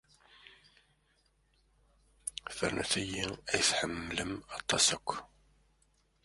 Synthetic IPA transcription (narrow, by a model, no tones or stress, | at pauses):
fə̰ɾnæ̰θæjiæjθħəmːləmɑt̪ˤːɑsəkʷː